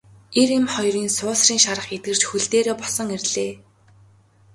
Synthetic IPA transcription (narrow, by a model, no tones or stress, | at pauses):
eremχɔjriːnsʊːsriːŋʃaɾə̆χet̪̚ɡɘ̆r̥t͡ɕxuɮt̪eːɾeːpɔsə̆ŋerɮeː